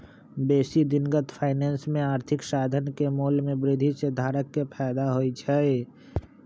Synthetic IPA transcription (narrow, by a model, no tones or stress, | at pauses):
beːsid̪ɪnɡət̪pʰaːɪnɛːnsmẽaːɾt̪ʰɪksaːd̪ʱənkemoːlmẽbɾɪd̪ʱised̪ʱaːɾəkːepʰɛːd̪aɦoit͡ʃʰɛe